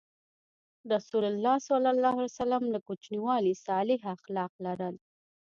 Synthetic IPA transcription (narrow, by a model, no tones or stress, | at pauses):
ɾasulalːɑsalalːɑhalsalamlakut͡ʃniwɑlisɑlɪɦaxlɑqlaɾəl